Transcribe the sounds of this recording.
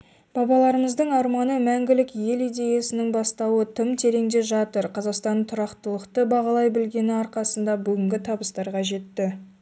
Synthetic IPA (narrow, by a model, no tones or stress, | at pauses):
b̥ɑbɑlˠɑɾəməzd̪əɴɑɾmɑnəmæŋɡʲɪlɪkje̞lijd̪e̞jesɪnɪŋbɑst̪ɑwət̪ʰʏmt̪ʰe̞ɾe̞ŋd̪e̞ʒɑt̪əɾqʰɑzɑqst̪ɑnt̪ʰʊɾɑqt̪əlˠəqt̪əbɑʁɑlˠɑjbɪlɡʲe̞nɪɑɾqɑsənd̪ɑbʏɡʲɪŋɡʲɪt̪ʰɑbəst̪ɑɾʁɑʒe̞t̪ːɪ